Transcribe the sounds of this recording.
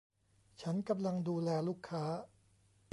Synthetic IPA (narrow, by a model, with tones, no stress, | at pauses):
t͡ɕʰa˦˥nka˧mla˧ŋduː˧lɛː˧luː˦˥˩kʰːaː˦˥